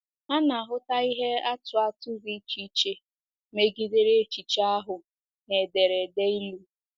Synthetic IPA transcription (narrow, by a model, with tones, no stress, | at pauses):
a˦na˨ɦʊ˦ta˦i˦ɦe˦a˦tʊ˨a˦tʊ˦ɡi˦t͡ʃi˦t͡ʃe˦ | me˦ɡi˦de˦ɾe˦t͡ʃi˨t͡ʃa˦ɦʊ˨ | ne˨de˨ɾe˨de˦i˦lu˦